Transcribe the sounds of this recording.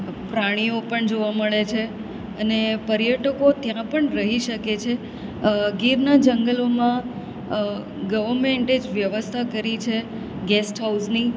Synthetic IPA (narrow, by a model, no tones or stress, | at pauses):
pɾaɽ̃iopəɳd͡ʒoʋaməɭet͡ʃʰe | ənepəɾjəʈəkot̪jãpəɳɾəɦiʃəket͡ʃʰe | ɡiɾnad͡ʒəŋɡəlomã | ɡəʋəɾmeɳʈed͡ʒʋjəʋəst̪ʰakəɾit͡ʃʰe | ɡɛsʈɦawsni